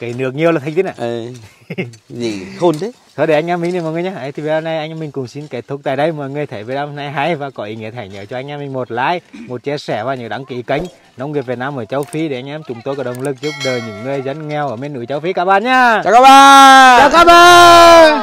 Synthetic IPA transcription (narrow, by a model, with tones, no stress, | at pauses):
kə˨˦nɨ˨˧˥ək̚ɲi˨˩əwlːt̪ʰŋt̪ʰnaː˧˨ʔ | zḭ˧˨o˧nt̪ʰe˨˦ | sʰɔ˨˧˦ɗe˧˩ʔa˧ŋʔaː˧˦mi˨˦ŋn˧˩mɔː˨jŋɨ˨jɲaː˨˧˦ʔə˨˦t̪ʰi˨˩ve˨˩ɗaː˨˧˩na˧jʔa˧ŋʔaː˧mï˨˩ŋ̟kʊ̰˨˧˩ŋ͡msi˧nke˧˨˦t̚t̪ʰu˧˩k̚t̪aː˨jɗə˧jmɔː˨jŋɨ˨˩ət̪ʰə˨˧˩jvə˨˦ɗaː˧mna˧jɦa˧˦jvaː˨˩kɔ˨˦ʔḭ˧˨˩ŋi˧˨ət̪ʰːjɲəː˧˦t͡ɕɔ˧ʔa˧ŋʔa˧mi˨˩ŋ̟mo˨˩t̚la̰ː˧˥jmo˨˩t̚t͡ɕɛ˧sɛ˧˩vaː˨˩ɲɨ̰˧˥ɗa˨˦ŋki˧˩ka˨˦jŋ̟ | nɔ˨˦ŋ͡mŋi˨˩əve˨˩naː˧mʔəː˧˩t͡ɕə˨˦wfi˨˦ɗe˧˩ʔa˧jŋ̟ʔaː˧˦mt͡ɕʊ˨˦ŋ͡mt̪o˧jkɔ˧˩ɗə˨˩wŋ͡mlɨ˨˩k̚zu˦˥p̚ɗəː˨˩jɲɨ̰˧˥ŋːɨ˨˧əjzə˨˦nŋɛ˧wʔəː˧˩me˧nːṵ˧˩jt͡ɕa˨˦wfi˨˦kaː˧˩ɓaː˧˨nɲaː˧˨˧kaː˦˥ɓaː˧˨t͡ɕaː˨˧˩kaː˧˥ɓaː˧˨